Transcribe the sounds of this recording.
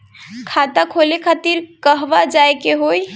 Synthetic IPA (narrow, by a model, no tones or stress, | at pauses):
kʰat̪akʰolekʰat̪iɾkəɦʋad͡ʒajkeɦoj